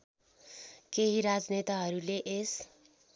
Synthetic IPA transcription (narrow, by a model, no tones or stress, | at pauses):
keɦiɾad͡znet̪aɦʌɾuleʔes